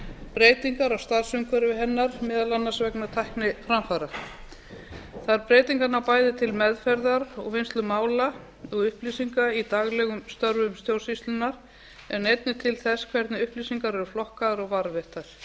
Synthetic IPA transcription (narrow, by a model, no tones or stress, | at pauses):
pɾeːjt̪iŋkaɾawst̪aɾ̥sʏŋkʰœɾʏvɪɦɛnːaɾmɛːðalanːasvɛknat̪ʰajhknɪfɾamfaɾa | θaðɾpɾeːjt̪iŋkanapaːjðɪt̪ʰɪlmɛðfɛɾðaɾɔɣvɪnst̪lʏmaːwla | ɔɣʏhplisiŋkait̪aɣlɛɣʏmst̪œɾvʏmst̪jowrsist̪lʏnaɾ̥ | ɛnejt̪̚nɪt̪ʰɪlθɛskʰvɛɾt̪nɪʏhplisiŋkaɾɛɾʏflɔhkaðaɾɔɣvaɾvɛht̪aɾ̥